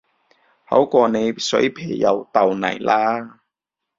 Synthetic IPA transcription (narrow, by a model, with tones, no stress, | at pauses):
hɐ̰˨˥wkʷɔː˧ne˨˧jsɵ̰˨˥jpʰeː˨˩jjɐ̰˨˧wt̪ɐ˨wnɐ̰˨˩jlʔaː˥